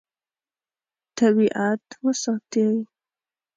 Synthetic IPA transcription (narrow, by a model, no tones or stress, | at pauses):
t̪aβiʔat̪wəsɑt̪ew